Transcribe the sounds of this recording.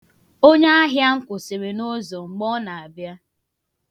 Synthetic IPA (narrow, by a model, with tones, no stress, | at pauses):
o˦ɲe˦a˦ɦja˦ŋ̩˦kʷʊ˨se˨ɾe˨no˦zɔ˨ŋ͡m̩˨ɡ͡bɔ˦na˨a˨bja˦